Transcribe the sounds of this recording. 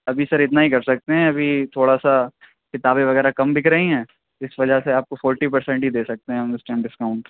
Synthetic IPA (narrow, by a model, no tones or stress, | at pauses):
ɐbʱisɐɾɪt̪naɦikɐɾsɐk̚t̪eɦɛ̃ɐbʱit̪ʰoːɽasa | kɪt̪aːbẽʋɐɣɛːɾakɐmbʱɪkɾɐɦĩɦɛ̃ː | ɪsʋɐd͡ʒaseaːp̚kofɔːɾʈip̬ɐɾsɛ̃ɳʈɦid̪eːsɐk̚t̪eɦɛ̃ɦɐmɪsʈɛ̃ːmɖɪskaʊ̃ɳʈ